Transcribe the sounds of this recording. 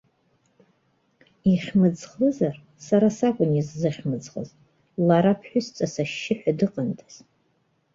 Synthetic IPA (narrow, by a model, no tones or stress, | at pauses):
iχʲmɨd͡zχɨzar | saɾasakʷʼʊnizːɨχʲmɨd͡zχə̰z | laɾapʰħʷᶣʊst͡sʼasaʃːɪħʷᶣadɨqʼəntʰaz̥